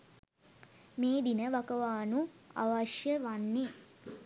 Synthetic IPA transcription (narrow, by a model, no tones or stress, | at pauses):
meːd̪inəʋakəʋaːnua̰ʋaʃjəʋanːe